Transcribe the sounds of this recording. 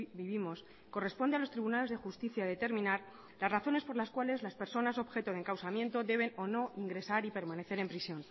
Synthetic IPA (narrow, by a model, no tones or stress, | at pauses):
biβimo̞s | ko̞re̞spond̪ealo̞st̪ɾiβunale̞zðe̞xust̪iθjaðe̞t̪e̞ɾmĩnaɾ | lasraθo̞ne̞spo̞ɾlaskwale̞zlaspe̞ɾso̞naso̞βxe̞t̪oðeŋkawsamje̞nt̪o̞ðe̞βe̞no̞no̞iŋɡɾe̞saɾipe̞ɾmãne̞θe̞ɾe̞mpɾisjo̞n